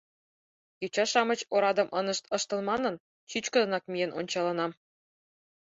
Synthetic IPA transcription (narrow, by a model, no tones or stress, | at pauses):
kyt͡ɕɑʃɑmɤ̆t͡ɕoɾɑd̪ɤ̆mʔɤ̆nɤ̆ʃt̪ɤ̆ʃt̪ɤ̆lˠmɑnɤ̆n | t͡ɕyt͡ɕkɤ̆d̪ɤ̆nɑk̚mʲijenʔo̰nʲt͡ɕɑlˠɑnɑm